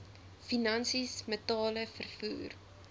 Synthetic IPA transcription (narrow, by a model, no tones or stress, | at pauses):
finɐnsismətɑːləfərfṵːr